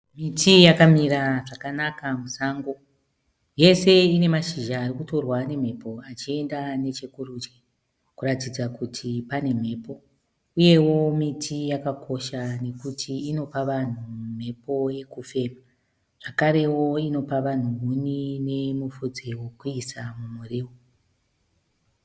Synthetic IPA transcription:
mitijakamiɾaʐakanakamusaːŋɡo̞ | je̞se̞ine̞maʃiʒaːrikuto̞rwane̞m̤e̞po̞at͡ʃie̞ndane̞t͡ʃe̞kurut͡ʃe | kuɾatid͡zakutʰipane̞m̤e̞ːpo̞ | uje̞wo̞mitʰijakakʰo̞ʃane̞kutʰiːno̞paʋan̤um̤e̞po̞je̞kufe̞ːma | ʐ̥akaɾe̞wo̞ino̞paʋan̤uunine̞mufud͡zewo̞kuisamumureːwo

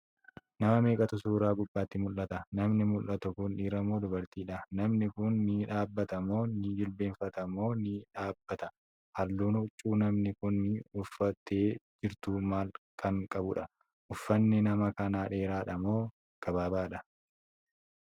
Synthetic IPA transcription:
nɐmɐme̞ːkʼɐt̪ʊsuːɾaːɡʊbːaːt̪ːɪmʊlːɐt̪ɐnɐmnɪmʊlːɐt̪ʊkʊnᶑiːɾɐmoːd̪ʊbɐɾt̪iːᶑɐnɐmnɪkʊnːɪᶑaːbːɐt̪ɐmoːnɪd͡ʒɪlbe̞ːɱfɐt̪ɐmoːnɪᶑaːbːɐt̪ɐ | hɐlːuːnhʊt͡ʃʼːuːnɐmnɪkʊnːɪʊfːɐt̪eːd͡ʒɪɾt̪uːmaːlkʰɐŋkʼɐbʊᶑɐ | ʔʊfːɐnːɪnɐmɐkɐnaːᶑe̞ːɾaːᶑɐmoː | ɡ̥ɐbaːbaːᶑɐ

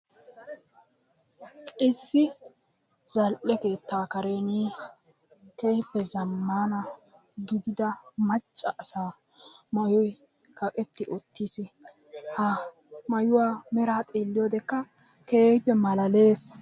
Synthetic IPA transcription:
ʔɪsːɪ | z̥ɐlʔːɛke̞ːt̪ːaːkɐɾe̞ːniː | ke̞ːhpːɛzɐmːaːnɐ | ɡɪd̪ɪd̪ɐmɐt͡ʃʼːɐʔːsaː | mɐjɔj | kɐkʼɛt̪ːɪʔɔt̪ːisɪ | hɐ | mɐjʊwaːmɛɾaːt̪ʼeːlːɪjɔd̪ɛkːɐ | ke̞ːhpːɛmɐlɐle̞ːs

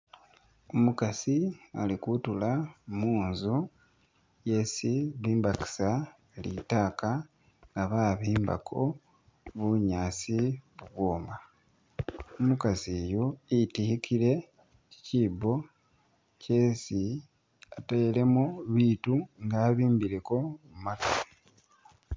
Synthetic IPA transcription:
omukasialikutulamuːnzu | je̞siβiːmbaki̥sa | elḭtaːka | ŋɡaβaːβiːmba̰kʰo̞̰ | βuɲaːsiβuβwoːmba | omukazeːjoitihikʰile̞ | i̥ciːbo̞ | cesi | atajele̞muβiːtuŋɡaːβiːmbiɾe̞ko̞mumata

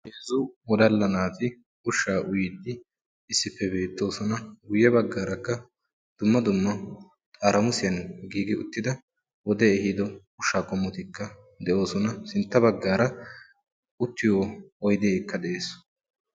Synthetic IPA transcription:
heːzʊwɔd̪ɐlːɐnaːfɪ | ʊʃːaːʔʊjɪd̪ːɪ | ɪsːɪpːɛbe̞ːt̪ːo̞ːsɔnɐɡʊjːɛbɐɡːaːɾɐkːɐ | d̪̥ʊmːɐd̪ʊmːɐ | t̪ʼaːɾɐmʊsɪjɐnɡiːɡɪʊt̪ːɪd̪ɐ | wɔd̪ɛɛhɪd̪ɔ | ʊʃːaːkʼɔmːɔt̪ɪkːɐ | d̪ɛʔo̞ːsɔnɐsɪnt̪ːɐbɐɡːaːɾɐ | ʊt̪ːɪjoːɔjd̪eːkːɐd̪ɛʔeːs

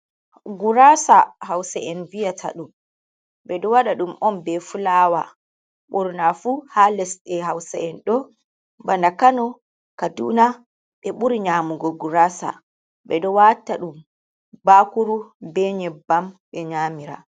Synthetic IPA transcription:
ɡuɾasahawsaɛnvijatʰa̰ɗum | ɓɛɗɔwaɗaɗumʔɔnbɛfulaːwa | ɓuɾnafuhalɛsɗɛɦawsaɛnɗɔ | bandakanɔ | kadṵna | ɓɛɓuɾiɲaːmuɡɔɡuɾasa̰ | ɓɛɗɔwatːaɗum | bakuɾubɛɲɛbamɓɛɲamiɾa̰

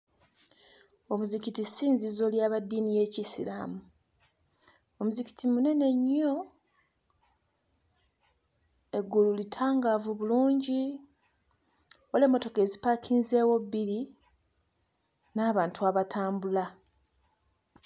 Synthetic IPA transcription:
o̞muzikitisiːnzizo̞ljaːβadːiːnije̞ːcisila̰mu | omuziki̥tʰimune̞ne̞ɲːo | e̞ɡːululitʰaːŋɡaːvuβuluːɲɟi | ole̞mːo̞to̞ke̞ːzipakʰiːnze̞ːwo̞bːiɾi | naːβaːntuaβatʰaːmbula

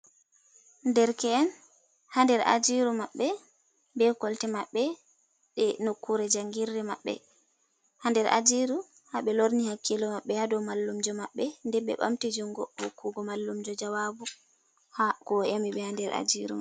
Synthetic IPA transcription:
ndɛɾkɛːn | handɛɾʔa̰d͡ʒiɾumaɓːɛ | bɛkɔltɛmaɓːɛ | ɗɛnokːuɾɛd͡ʒaŋɡiɾːɛmaɓːɛ̰ | handɛɾʔa̰d͡ʒiɾu | haɓɛloɾnihakʰːilɔmaɓːɛhadɔwmalːumd͡ʒɔmaɓːɛndɛɓɛ̰ɓa̰mtid͡ʒuŋɡɔhokːuɡɔmalːumd͡ʒɔd͡ʒawabu | hakɔʔamiɓɛhandɛɾa̰d͡ʒiɾṵma

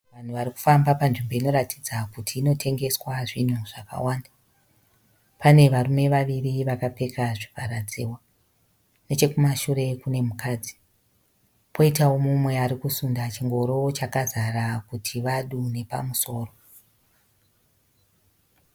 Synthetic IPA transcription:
ʋan̤uʋaɾiku̥fambapanʐimbo̞ino̞ɾatʰid͡zakutʰiːno̞tʰe̞ŋɡe̞swaʐin̤uʐ̥aka̰waːnda | pane̞ʋarume̞ʋaʋiriʋakapekaʐipaɾad͡zḭːwa | net͡ʃe̞kumaʃuɾe̞kune̞mukaːd͡zi | pʰo̞itawo̞mumwe̞aɾikusundat͡ʃiŋɡo̞ɾo̞t͡ʃakazarakutʰiʋaɗune̞pa̰muso̞ːro̞

